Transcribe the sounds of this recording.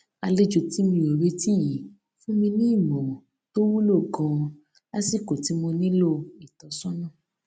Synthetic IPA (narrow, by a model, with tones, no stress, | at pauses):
a˧le˦d͡ʒo˧ti˦mĩ˧o˨ɾe˦ti˦ji˨ | fũ˦mĩ˧nĩ˦˨mɔ̃˨ | to˦wu˦lo˦˨ɡɔ̃˧ | la˦si˦˨ko˨ti˨˦mõ˧nĩ˦lo˦i˨tɔ˨˦sɔ̃˦nɔ̃˦˨